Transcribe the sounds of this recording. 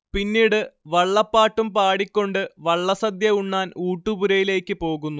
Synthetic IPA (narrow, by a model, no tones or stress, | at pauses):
pinːiːɽɨʋɐɭːɐpːaːʈːumpaːɽikʲːo̞ɳɖɨʋɐɭːɐsɐd̪jɐuɳːaːnuːʈːubuɾɐjile̞ːkːɨpo̞ːɣunːu